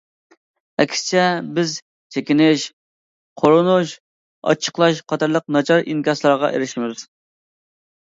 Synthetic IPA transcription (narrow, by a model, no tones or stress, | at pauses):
ɛkʲʰsɪ̥t͡ʃʰɛbɪz | t͡ʃʰekʲinɪʃ | qʰoɾɨnuʃ | ɑ̰t͡ʃʰːə̥qlˠɑʃqʰɑt̪ʰɑɾlˠəq̚nɑt͡ʃʰɑɾinkʲɑslˠɑɾʁɑ̰ʔḛɾɪʃmɪz